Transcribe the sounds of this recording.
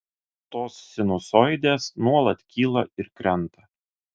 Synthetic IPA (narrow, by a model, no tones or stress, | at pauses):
t̪oːssʲɪnʊsɔjd̪ʲeːsnuɔlˠɐt̪ʲkʲiːlˠɐɪɾkɾʲɛnˑt̪ɐ